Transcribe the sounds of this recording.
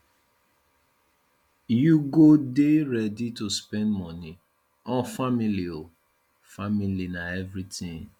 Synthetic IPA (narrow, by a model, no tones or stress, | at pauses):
juɡodeɾɛdituspɛ̃ndmɔni | ɔ̃familio | familinaɛvɾitĩŋ